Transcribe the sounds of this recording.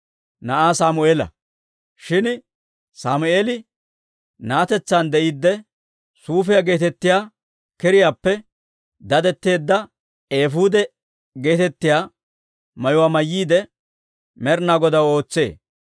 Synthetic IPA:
nɐʔaːsaːmʊeːlɐ̰ | ʃɪn | saːmʊʔeːlɪ | naːt̪ɛt͡sːand̪ɛʔiːd̪ːɛ | suːfɛjɐɡe̞ːt̪ɛt̪ːɪjaː | kɛɾɪjaːpːɛ | d̪ɐd̪ɛt̪ːe̞ːd̪ːɐ | eːfuːd̪ɛ | ɡe̞ːt̪ɛt̪ːɪjaː | mɐjʊwaːmɐjːiːd̪ɛ | mɛɾnaːɡɔd̪ɐwo̞ːt͡sːe̞̰ː

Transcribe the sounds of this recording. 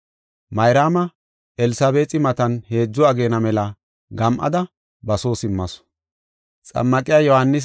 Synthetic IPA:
mɐjɾaːmɐ | ʔɛlɪsɐbe̞ːtʼɪmɐt̪ɐnhe̞ːd͡zːɔɐɡe̞ːnɐmɛlɐ | ɡɐmʔɐ̰d̪ɐ | bɐso̞ːsɪmːɐs | t͡sʼɐ̰mːɐkʼɪjaːjɔhɐnːɪs̬

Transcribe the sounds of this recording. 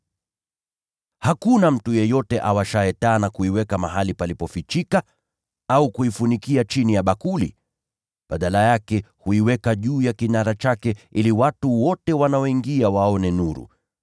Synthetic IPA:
hakunam̩tujɛjɔtɛʔawaʃaɛtaːnakuiwɛkamaɦalipalipɔfit͡ʃika | aukuifunikiat͡ʃinijaɓakulḭ | ɓaɗalajakɛhuiwɛkaʄuːjakinaɾat͡ʃakɛʔiliwatuwɔtɛwanaɔiŋɡiawaɔnɛnuɾṵ

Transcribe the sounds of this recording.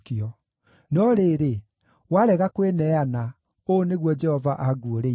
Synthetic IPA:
kiɔ | nɔɾeːɾe | waɾɛɣakwenɛana | oneɣwɔd͡ʒɛhɔvaʔaɡuoɾe

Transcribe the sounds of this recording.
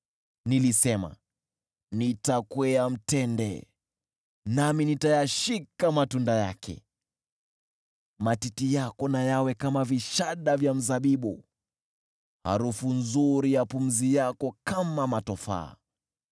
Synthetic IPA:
nilisɛma̰ | nitakwɛam̩tɛndɛ̰ | naminitajaʃikamatundaja̰kʰɛ̰ | matitijakɔnajawɛkamaviʃaɗavjam̩zaɓiɓṵ | ha̰ɾufunzuɾijapum̩zijakɔkamamatɔfa̰ː

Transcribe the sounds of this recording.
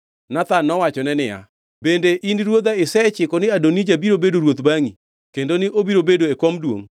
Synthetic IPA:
nat̪anːɔwat͡ʃɔnɛnɪja̰ | bendeʔiniɾwod̪aɪsɛt͡ʃɪkɔnɪadonid͡ʒabiɾobedoɾwot̪baŋi | kendonɪʔobiɾobedoekomdwo̰ŋ

